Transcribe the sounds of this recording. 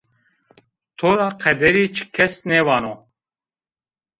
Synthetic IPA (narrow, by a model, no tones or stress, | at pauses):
t̪ʰoɾaqʰɛd̪ɛɾit͡ʃʰkʰɛsnɛvaːno